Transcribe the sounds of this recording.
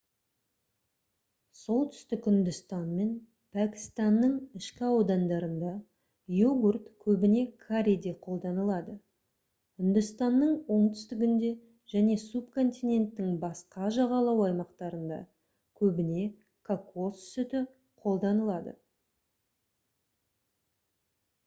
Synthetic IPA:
so̞lˠt̪ʰʏ̥st̪ɪkʲʏnd̪ʏst̪ɑnme̞n | pʰækʲi̥st̪ɑnːəɴɪʃkʲɪɑwd̪ɑnd̪ɑɾənd̪ɑ | joɡurt̪kʲʰɵbɪne̞kʰaɾʲid̪e̞qʰo̞lˠd̪ɑnəlˠɑd̪ə | ʏnd̪ʏst̪ɑnːəɴwo̞ɴt̪ʰʏ̥st̪ɪɡʲɪnd̪e̞ | ʒæne̞supkʰo̞nt̪ijne̞nt̪ːɪŋbɑsqɑʒɑʁɑlˠɑwɑjmɑqt̪ɑɾənd̪ɑ̰ | kʲʰɵbɪne̞ | kʰako̞ssʏt̪ɪ | qʰo̞lˠd̪ɑnəlˠɑd̪ə̰

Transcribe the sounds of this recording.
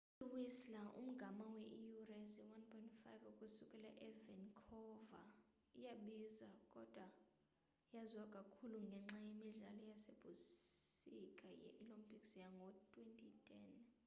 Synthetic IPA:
iwislaʔṵm̩ɡ̥ʱamawɛʔijurɛsiwanpʰʼɔĩntfajvukʼusukʼɛla̰ʔɛvɛnkʰɔva̰ | ijaɓizakʼɔd̥ʱwa | jaziwakʼakʰuluŋɡʱɛŋ͡ǁajemiɮa̰lɔjaseb̥ʱu | ikʼajɛ̰ʔilɔmpʰʼiksjaŋɡʱɔtʼwentʰʼitʰʼɛn

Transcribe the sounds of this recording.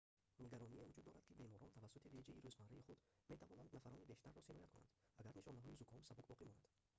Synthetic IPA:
niɡaɾɔnievud͡ʒud̪ːɔɾad̪̚kʰibe̞mɔɾɔnt̪ʰavasːut̪ʰived͡ʒeiɾuzmaɾaiχud̪me̞t̪ʰavɔnand̪nafaɾɔnibeʃt̪arːɔsiɾɔjat̪kʰuna̰nd̪aɡaɾniʃɔnaɦɔizukʰɔmsabukbɔqimɔnad̪̥

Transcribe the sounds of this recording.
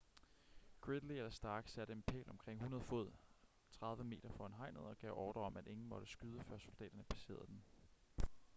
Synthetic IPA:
ɡ̥ʁed̥lied̥æsd̥ɑ̈ːɡ̥sæɾ̥əenpʰɛ̰ːlɒ̽mkʰʁeŋ̰hunɐð̞ˠfo̝ð̰ˠ | t͡sʰʁɑ̈ð̞ˠʋəme̝̰ːd̥ɐfɒ̰ːænɦɑ̈ɪ̰nð̩ˠɒ̽ɡ̥ɛʊ̰ʔɒːd̥ɐɒ̽mʔæd̥ʔe̝ŋn̩mɒ̽ɾ̥əsɡ̥yð̞ˠəfɶɐso̝ld̥ɛ̰ːd̥ɐnəpʰæ̥se̝̰ːɐð̞̩ˠd̥en

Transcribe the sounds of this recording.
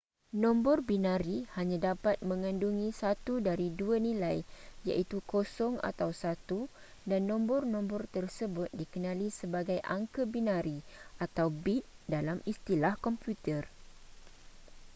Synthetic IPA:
nɔ̃mbɔrbinãɾihaɲãdapat̪̚mə̃ŋãnduŋĩsat̪udaɾiduanĩlajja̰ʔit̪ukosɔŋa̰t̪awsat̪u | danːɔ̃mbɔrnɔ̃mbɔrt̪ərsəbʊt̪̚dikənãlisəbaɡajʔa̰ŋkəbinãɾiat̪awbit̪̚ | dalamist̪ilahkɔmpjut̪ər

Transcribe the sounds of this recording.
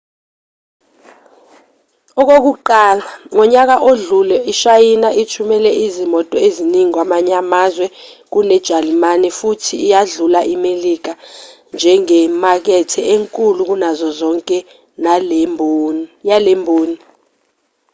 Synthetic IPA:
ɔk̬ok̬uǃaːlaŋɔɲak̬aʔoɮulɛʔiʃajinaʔit͡ʃʰumɛlɛʔizimɔtʼɔeziniŋik̬wamaɲamazwɛk̬unɛd̥ʒ̥ʱalimanifutʰiːjaɮulaʔimelik̬a | nd͡ʒʱɛŋɛmak̬ɛtʰɛeŋkʼuluk̬unazɔzɔŋkʼɛ | na | jalembʱoːni

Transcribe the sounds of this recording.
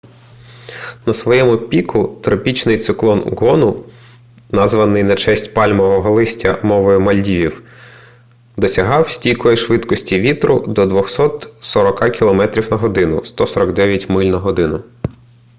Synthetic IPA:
nɐsʋɔjɛmʊpʲikʰʊt̪ɾɔpʲit͡ʃnɪjt̪sɪklˠɔnɡɔnʊ | nɑzʋɐnɪjnet͡ʃɛsʲtʲpɑlʲmɔʋɔɦɔlˠɪsʲtʲɐmɔʋɔjʊmɐlʲdʲiʋʲiw | d̪ɔsʲɐɦɑwsʲtʲijkɔjiʃʋɪd̪kɔsʲtʲiʋʲit̪ɾʊd̪ɔd̪ʋɔxsɔt̪sɔɾɔkɑkʲilˠɔmɛt̪ɾʲiwnɐɦɔd̪ɪnʊst̪ɔsɔɾɐɡd̪ɛʋʲjɐtʲmɪlʲnɐɦɔd̪ɪnʊ

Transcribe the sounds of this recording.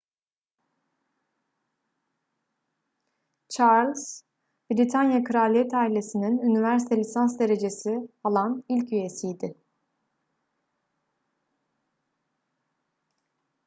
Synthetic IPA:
t͡ʃʰaɾlʲs | bɾit̪ʰanjakʰɯɾalʲijɛt̪ʰaːilʲe̞sininynivæɾsi̥t̪ʰelʲisansd̪e̞ɾe̞d͡ʒe̞sialˠanilʲcyje̞sijd̪ɪ

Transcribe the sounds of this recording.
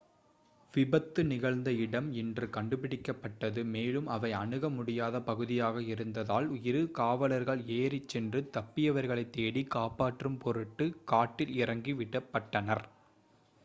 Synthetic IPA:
ʋɪbɐt̪ːɯnɪɣɐɭnd̪ɐɪɽɐmɪndrɯkɐɳɖɯpɪɽɪkːɐpːɐʈːɐðɯmeːlɯmɐʋɐɪɐɳɯɣɐmʊɽɪjaːðɐpɐɣɯðɪjaːɣɐɪɾɯnd̪ɐðaːlʊjɪɾɯkaːʋɐlɐɾɣɐɭeːɾɪt͡ʃːɛndrɯt̪ɐpːɪjɐʋɐɾɣɐɭɐɪt̪ːeːɽikaːpaːʈrɯmpɔɾɯʈːɯkaːʈːɪlɪrɐŋɡiʋɪɽɐpːɐʈːɐnɐɾ

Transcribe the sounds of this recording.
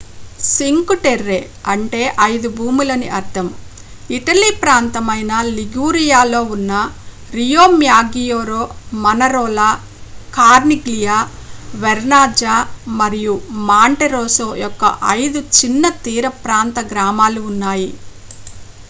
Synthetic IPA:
siŋkuʈeɾːeː | ɐɳʈe̞ːʔɐjd̪ubʱuːmulɐniʔɐɾd̪ʰʱɐm | iʈɐliːpɾaːnt̪ɐmɐjnɐliɡuːɾijaːlo̞ːunːɐ | ɾijoːmjaːɡijoːɾoːmɐnɐɾoːlaː | kaːɾniɡlijaː | ʋɛɾnaːd͡ʒaːmɐɾijumaːɳʈeɾoːsoːjɔkːɐ̰ʔɐjd̪ut͡ʃinːɐt̪iːɾɐpɾaːnt̪ɐɡɾaːmaːluːnːaːji

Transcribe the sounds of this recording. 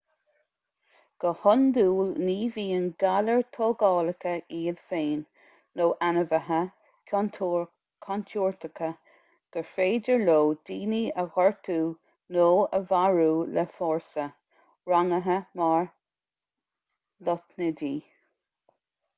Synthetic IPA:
ɡ̥əhʊnd̪uːlniːviːənɡaləɹt̪ʰoːɡɑːləkəʔiːədfeːnː | oːʔanəvəɦə | kʰɔnʰ | kʰɔnt̪ʰuːɹt̪əkʰə | ɡ̥əfeːdəɹloːd̪̥iːniəɣɔɹt̪ʰuː | noːəvaɹuːləfɔːɹsə | ɹaŋəɦəmɑɹ | lɔt̪nədiː

